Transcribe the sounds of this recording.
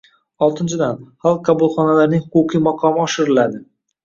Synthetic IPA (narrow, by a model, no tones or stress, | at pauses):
ɒlˠt̪ʰɪnt͡ʃʰɪd̪anχalˠqʰːɑbʊlˠχɒnalaɾnɪŋhʊqoqʰɨmɒqʰɒmɪɒʃɪɾɪlad̪ɪ